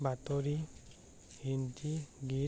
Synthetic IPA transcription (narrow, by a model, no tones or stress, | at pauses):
bat̪ɔɾi | hintiɡi